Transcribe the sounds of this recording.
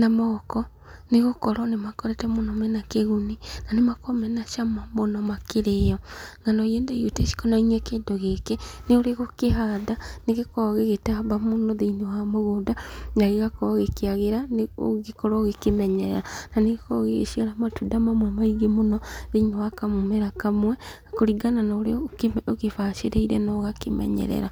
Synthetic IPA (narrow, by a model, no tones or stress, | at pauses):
namɔkɔ | neɣokɔɾɔnemakɔɾɛtɛmonɔmɛnakeɣuninanemakɔmɛnaʃamamonɔmakeɾejɔŋanɔiendajotɛʃi̥kɔnainɛkeːndoɣekeneoɾeɣokeɦaðaneɣekɔɣeɣetabamonɔðeinewamoɣoːdaɲaɣeɣakɔɣekeaɣeɾaneo̰ɣekɔɾɔoɣekemɛɲɛɾɛ̰ɾananeɣekɔɣeɣḛʃiaɾamatudamamwɛmaiɡemonɔðeinewakamomɛɾakamwɛ | koɾiɡananaoɾeoɣefaʃeɾeiɾɛnɔɣakemɛ̰ɲɛ̰ɾɛ̰ɾa